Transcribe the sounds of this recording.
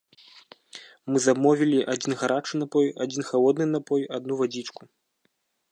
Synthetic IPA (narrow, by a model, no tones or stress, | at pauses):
mɨzabmɔvʲilʲiʔad͡zʲinɣaɾat͡ʂɨnapɔjad͡zʲinxalˠɔd̪nɨnapɔjad̪nuvad͡zʲit͡ʂku